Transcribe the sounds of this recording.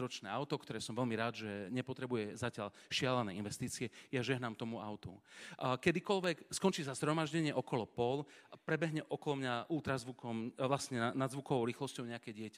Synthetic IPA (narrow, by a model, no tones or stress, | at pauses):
ɾɔt͡ʃnɛːawt̪ɔkt̪ɔɾɛːsɔmʋɛlmiɾaːd̪ʒɛɲɛpɔt̪ɾɛbujɛzacɪal | ʃɪalanɛːinʋɛst̪iːt͡siɛjaʒɛɦnamt̪ɔmuaʊt̪ṵkɛd̪ikɔlʋɛkskɔnt͡ʃiːzazɦɾɔmaʒɟɛɲɪɛʔɔkɔlɔpɔlpɾɛbɛɦɲɛʔɔkɔlɔmɲaʔult̪ɾazʋukɔmʋlasɲɛanazʋukɔʋɔʊɾiːxlɔscɔʊɲɛakɛːɟɪɛcḁ